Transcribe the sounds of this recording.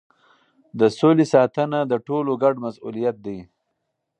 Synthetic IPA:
d̪əsolesɑt̪ənad̪əʈoloɡaɖmasulijat̪̚d̪aj

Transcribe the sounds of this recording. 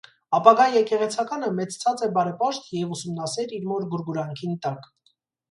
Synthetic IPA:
ɑpɑɡɑjjɛkɛʁɛt͡sʰɑkɑnəmɛt͡st͡sʰɑt͡sɛbɑɾɛpɑʃt̪jɛvusumnɑsɛɾiɾmɔɾɡuɾɡuɾɑŋkʰint̪ɑk

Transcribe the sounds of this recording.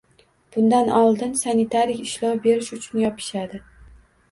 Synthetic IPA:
b̥ʊnd̪anʔɒlˠd̪ɪnsanit̪ʰaɾɪjɪʃlɒwbe̞ɾɪʃʊt͡ʃʰʊnjɒpʰɪ̥ʃad̪ɪ

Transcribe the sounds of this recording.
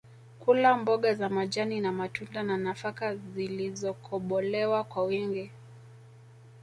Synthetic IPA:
kulambɔɠazamaʄaninamatundananafakazilizɔkʰɔɓɔlɛwakwawiŋɡi

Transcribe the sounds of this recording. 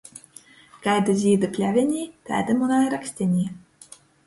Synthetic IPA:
ɡ̥ajd̪ɨzʲiːd̪ɨpʲlʲævʲenʲiːt̪æ̰ːd̪ɨmunaɾaksʲt̪ʲenʲiː

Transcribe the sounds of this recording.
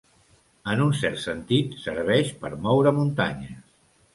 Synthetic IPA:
ənunsɛɾt̪sənt̪it̪səɾβ̞ɛʃpəɾmɔwɾəmunt̪aɲəs

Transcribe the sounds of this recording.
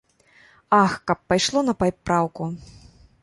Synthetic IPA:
axkɐpːajʂlˠɔnɐpajpɾawku

